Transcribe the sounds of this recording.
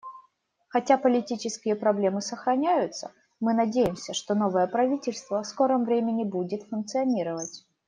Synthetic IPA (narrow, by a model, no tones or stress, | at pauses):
xɐtʲapəlʲɪtʲit͡ɕɪskʲɪjəpɾɐblʲe̞mɨsəxɾɐnʲæjʊt̪sə̰ | mɨnɐdʲejɪmsʲəʂt̪onovəjəpɾɐvʲitʲɪlʲst̪vəsko̞ɾəmvɾʲemʲɪnʲɪbudʲɪt̪fʊnk̚t̪sɨɐnʲiɾəvətʲ